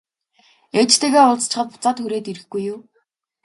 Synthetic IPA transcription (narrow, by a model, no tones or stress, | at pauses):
et͡ɕt̪ʰeːɣeːʊɮt͡st͡ɕʰɪ̆χə̆t̪pʊ̥t͡saːt̪xuɾeːt̪iɾɘ̆xɡujːʊw